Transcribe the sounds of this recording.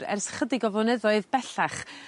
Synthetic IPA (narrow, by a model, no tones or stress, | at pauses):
ɾɛ̰rsχədɪɡɔvɔnɛðɔɨðb̥ɛɬaχ